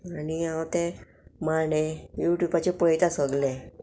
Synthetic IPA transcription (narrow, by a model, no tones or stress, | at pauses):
aniãwt̪e | maɳejuʈjubat͡ɕepəjt̪asəɡlẽ